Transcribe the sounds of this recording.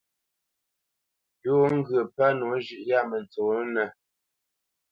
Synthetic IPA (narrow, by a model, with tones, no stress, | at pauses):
jo˦ŋ̩˦ɡɰə˨pa˦no˨˦ʒʉ˨ʔja˦˨mə˨n˨t͡so˨˦nə˨